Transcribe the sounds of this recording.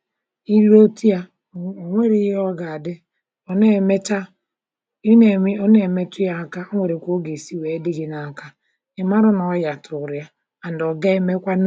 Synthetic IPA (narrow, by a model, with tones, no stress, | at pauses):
i˦ɾo˦ta˦˨ | ŋʷe˦ɾi˦ɦɔ˦ɡa˨a˨dɪ˦ | ɔ˦ne˦˨me˦t͡ʃa˦ | i˦ne˨˦o˦ne˨me˦tʊ˦ja˦˨ka˦ŋʷe˨ɾe˨kʷo˦ɡe˨si˦we˨˦dɪ˦ɡɪ˦na˨ka˦ | ɪ˨ma˦ɾʊ˦nɔ˨˦ja˨tʰʊ˨ɾja˦ | a˨n˨dɔ˨ɡe˦me˦kʷa˦n